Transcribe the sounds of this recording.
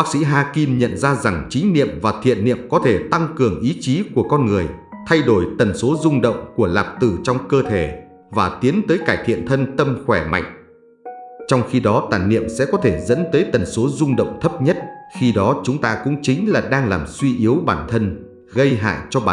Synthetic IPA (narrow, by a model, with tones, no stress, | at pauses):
ɓaː˦˥k̚sḭ˧˥ɦaː˧ki˧mɲə̰˧˨nzaː˧za˨˩ŋt͡ɕï˨˦ŋ̟nḭ˧˨əmvaː˨˩t̪ʰḭ˧˨ənːḭ˧˨əmkɔ˨˦t̪ʰe˧˩t̪a˧ŋkɨ˨˩əŋʔi˨˦t͡ɕi˨˦ku˧˩əkɔ˧nŋɨ˨˩əjt̪ʰa˧jɗo˧˩jt̪ə˨˩nso˨˦zʊ˧ŋ͡mɗə̰˧˨wŋ͡mku˧˩əlaː˨˩p̚t̪ɨ˨˩t͡ɕɔ˧wŋ͡mkəː˧t̪ʰe˧˩ | vaː˨˩t̪i˨˦ənt̪əː˨˦jkaː˧˩jt̪ʰḭ˧˨ənt̪ʰə˧nt̪ə˧mxwɛ˧˩ma̰˧˨jŋ̟ | t͡ɕɔ˧wŋ͡mxi˧ɗɔ˨˦t̪a̰ː˧˨jnḭ˧˨əmsɛ̰˧˥kɔ˨˦t̪ʰe˧˩zə̰˧˥nt̪əː˨˦jt̪ə˨˩nso˨˦zʊ˧ŋ͡mɗə̰˧˨wŋ͡mt̪ʰə˦˥p̚ɲə˦˥t̚xi˧ɗɔ˨˦t͡ɕʊ˨˦ŋ͡mt̪aː˧kʊ̰˧˥ŋ͡mt͡ɕï˨˦ŋ̟laː˨˩ɗaː˧ŋlaː˨˩mswi˧ʔi˨˦əwɓaː˧˩nt̪ʰə˧n | ɣə˧jɦa̰ː˧˨jt͡ɕɔ˧ɓaː˨